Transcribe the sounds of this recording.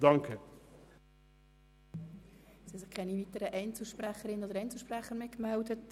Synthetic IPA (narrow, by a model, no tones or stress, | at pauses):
d̥ɑŋkʰə | shɛsɪχkʰɛnivitəɾəʔɛɪnt͡sl̩ˠʃpræχəɾɪnːəod̪əɾɛɪnt͡sl̩ˠʃpræχəɾmɪkmældət